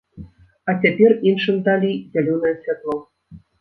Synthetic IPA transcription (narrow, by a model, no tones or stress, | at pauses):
ɑtʲepʲerʲinʃɤ̆nd̪ɑlʲizʲelʲonəjəsʲvʲet̪lˠow